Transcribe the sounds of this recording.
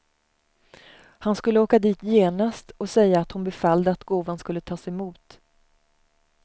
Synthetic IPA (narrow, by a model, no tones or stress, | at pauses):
hanskɵlːəoːkad̪iːt̪ʰjeːnast̪ɔsɛjːaːt̪hʊnbɛfald̪əat̪ɡoːvanskɵlːət̪ʰɑːsɛɪmuːt̪